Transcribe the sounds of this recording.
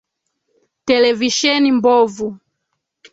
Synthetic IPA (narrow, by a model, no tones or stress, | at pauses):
tɛlɛviʃɛnimbɔvu